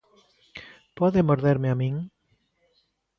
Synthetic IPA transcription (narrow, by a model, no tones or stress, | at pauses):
pɔðemoɾðɛɾmeamiŋ